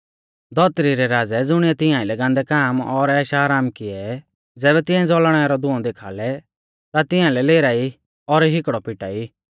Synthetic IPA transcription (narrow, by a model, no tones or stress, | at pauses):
d̪ɔt̪ɾiɾɛɾaːd͡zɛd͡zʊɽ̃ɪɛt̪ɪ̃jãːilɛɡãːnd̪ɛkaːmɔɾɛːʃaːɾaːmkɪɛ | d͡zɛːbɛt̪ɪ̃ɛ̃d͡zɔlɽ̃ɛaɾɔd̪ʊɔ̃d̪eːkʰa̰ːlɛ | t̪at̪ɪ̃jãlɛleːɾaːi | ɔɾɦɪkɽɔpɪʈaːi